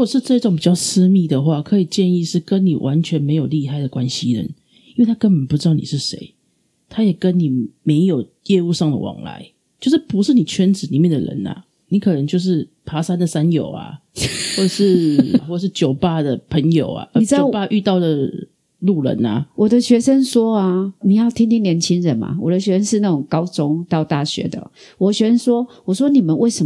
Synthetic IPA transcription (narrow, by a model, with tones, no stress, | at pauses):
ɻu˥ko˨˩ʂɻ̩˥˧ʈ͡ʂɤ˥˧i˥ʈ͡ʂo˨˦ŋpi˨˩t͡ɕjɑ˥˩ʊsɹ̩˥˦mi˥˩d̪ə˩xwa˥˧˩kʰɤ˧˥i˨˩t͡ɕjɛ˥˧ni˥˧ʂɻ̩˥˩kə˦˥nni˨˩wʔa˧˦nt͡ɕʰɥɛ˧˥nme˧˥ɪjo˨˩ʊli˥˧ɦa˥˩ɪd̪ə˩kwa˦nɕi˧ɻə̰˧˦n | ii˥nwe˥˩tʰa˥kə˥npə˨˩npu˧˩ʈ͡ʂɻ̩˥ɑ˥˩ʊnḭ˨˩ʂɻ̩˥˩ʂḛ˧˦ɪ | t̪ʰa˥jɛ˨˩kə˦nni˨˩me˧˦ɪjo˨˩ʊ | jɛ˥˧u˥˧ʂɑ˥˩ŋd̪ə̰˩wɑ̰˨˩˦ŋla̰˧˦ɪ | t͡ɕjo˥˧ʂ̬ɻ̩˥˩pu˧˥ʂɻ̩˥˩ni˨˩t͡ɕʰɥɛ˥nt͡sɹ̩˨˩ni˨˩mjɛ˥˩nd̪ə̰˨ɻə̰˧˦na̰˨ | ni˨˥kʰɤ˨˩nə˧˦ŋt͡ɕjo˥˧ʊʂ̬ɻ̩˥˩pʰa˧˥sa˥˦nd̪ə˨sa˦njo˨˩ʊa̰˨˩xwɔ˥˩ʈ͡ʂə˨˩ʂɻ̩˥˩˨wɔ˥˩˨ʂ̬ɻ̩˥˩t͡ɕjo˨˩ʊpa˥˧d̪ə˨pʰə˧˦ŋjo˨˩ʊa̰˨ʔi˨˩˧o˨˥ʊ˩pa˥˧ʔy˥˧t̪ɑ˥˩ʊd̪ə˨˩ | lu˥˩lə̰˧˦na̰˨wɔ˨˩d̪ə˦ɕɥɛ˧˥ʂə˦nswɔ˥a˨ni˨˩jɑ˥˩ʊt̪ʰi˥ŋt̪ʰi˥ŋnljɛ˧˥nt͡ɕʰi˥ŋɻə˨˦nma̰˨wɔ̰˨d̪ə˦ɕɥɛ˧˦ʂə˥nʂɻ̩˥˧na˥˩t͡sʊ˨˩ŋkɑ˦˥ʊt͡sʊ˦ŋt̪ɑ˥˧ʊt̪a˥˩ɕɥɛ̰˧˥˦d̪ə̰˨ | wɔ˨˩ɕɥɛ˧˥ʂə˥nswɔ˥wɔ˨˩ʂwɔ˥ni˨˩mə˨nwʔe˥˩ɪʂə˨˦